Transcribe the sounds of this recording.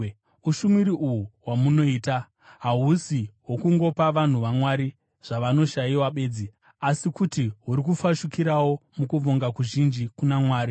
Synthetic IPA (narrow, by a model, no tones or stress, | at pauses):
uʃumiɾiʔuɦuwamuno̞iːta | ɦaɦusiɦwokuŋɡo̞paʋan̤uʋamwaɾi | ʐ̥aʋano̞ʃaiwaɓe̞ːd͡zi | asikutiɦuɾik̬ufaʃukiɾawo̞mukuvoŋɡakuʒind͡ʒikunamwaːɾi